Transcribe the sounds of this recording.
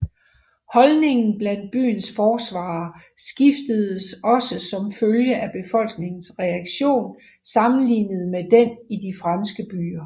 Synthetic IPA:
hɒ̽lne̝ŋn̩b̥læn̰d̥̚b̥y̰ːn̩sfɒːsʋɑ̰̈ːsɡ̥ifd̥əð̞ˠəsɒ̽səsɒ̽mføljəʔæb̥e̝fɒ̽l̰ɡ̥ne̝ŋn̩sʁɛɑɡ̥ɕo̝̰ːn | sɑ̈mn̩lḭːnəð̞̩ˠmed̥enid̥ifʁɑnsɡ̥əb̥y̰ːɐ

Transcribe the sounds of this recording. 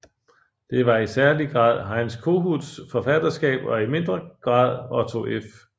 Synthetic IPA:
d̥e̝ʋɑ̈isæɐliɡ̥ʁɑ̰̈ːð̰ˠɦɑ̈ɪnskʰo̝̰ːɦuð̰ˠsfɒ̽fæd̥ɐsɡ̥ɛ̰ːb̥ɒ̽ime̝nd̥ʁɐɡ̥ʁɑ̰̈ːð̞̰ˠɒt͡sʰo̝ʔef

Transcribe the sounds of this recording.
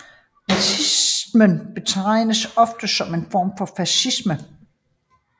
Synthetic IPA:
ɑsʰismənb̥e̝t͡sʰɑɪ̰nəsɒ̽fd̥əsɒ̽me̝nfɒ̰ːmfɒ̽fæsismə

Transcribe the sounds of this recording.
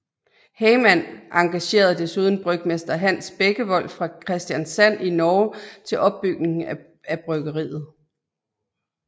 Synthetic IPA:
heɪmæn̰ʔɑ̈ŋɡ̥æɕe̝̰ːɐðˠd̥e̝suːð̞ˠn̩b̥ʁœɡ̥̚mesd̥ɐɦæn̰sb̥eɡ̥əʋɒ̽l̰fʁɑ̈kʰʁɛsd̥jænsæn̰inɒːt͡sʰe̝lʔɒ̽b̥̚ːyɡ̥ne̝ŋ | æb̥ʁœɡ̥ɐʁḭːð̞̩ˠ

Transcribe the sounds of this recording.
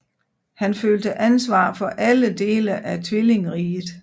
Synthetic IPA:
hænføːld̥əʔænsʋɑ̰̈ːfɒ̽ʔæləd̥e̝̰ːləʔæt͡sʰʋile̝ŋʁiːð̩ˠ

